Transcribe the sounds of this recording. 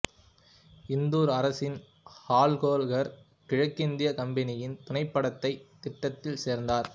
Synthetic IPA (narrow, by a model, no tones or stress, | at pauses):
ɪnd̪uːɾɐɾɐsɪn | haːlɣoːlɣɐɾ | kɪɻɐkːɪnd̪ɪjɐkɐmbɐnɪjɪnt̪ʊnɐɪpːɐɽɐt̪ːɐɪt̪ːɪʈːɐt̪ːɪlseːɾnd̪aːɾ